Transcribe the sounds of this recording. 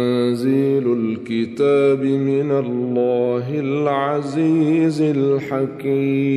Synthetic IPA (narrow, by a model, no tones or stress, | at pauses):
ziːlʊlkɪt̪aːbɪmɪnalːaːɦɪlʕaziːzɪlħakiː